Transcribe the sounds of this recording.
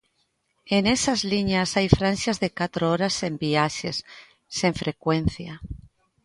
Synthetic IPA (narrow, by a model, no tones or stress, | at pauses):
enesazliɲasajfɾansjazðekat̪ɾooɾasembiaʃesː | eɱfɾekwe̞nθja